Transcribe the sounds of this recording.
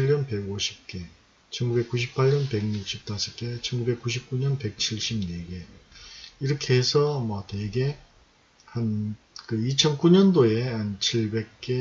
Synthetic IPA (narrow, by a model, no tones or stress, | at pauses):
ʎːʌnpe̞ɡoɕʰi̥p̚k͈e̞ | t͡ɕʰʌnɡube̞k͈ːuɕ̬ʰipʰːaɭɲʌnpe̞ɡɲuk̚ɕʰip̚t͈asʰɯk͈e̞t͡ɕʰʌnɡube̞k͈uɕ̬ʰip̚k͈uɲʌnpe̞k̚t͡ɕʰiɭɕ͈ibneɡe̞ | iɾʌkʰeːsʰʌmʌteɡe̞ | han | kɯit͡ɕʰʌnkuɲʌndoe̞hant͡ɕʰiɭbe̞k̚k͈e